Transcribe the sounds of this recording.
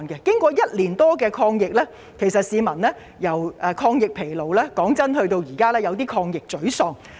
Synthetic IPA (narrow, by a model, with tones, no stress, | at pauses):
nkɛ˧kɪ˥ŋkʷɔː˧jɐ˥t̚liː˨˩nt̪ɔː˥kɛː˧kʰɔː˧ŋjɪ˨k̚lɛː˥ | kʰe˨˩sɐ˨t̚siː˨˧mɐ˨˩nlɛː˥ | jɐ˨˩wʔɛː˨˧kʰɔː˧ŋjɪ˨k̚pʰe˨˩jlo˨wlɛː˥kɔː˨˥ŋt͡sɐ˥nɦɵ˧t̪o˧wjiː˨˩kaː˥lɛː˥jɐ˨˧wt̪iː˥kʰɔː˧ŋjɪ˨k̚t͡sɵ˨˥ɥsɔː˨˧ŋ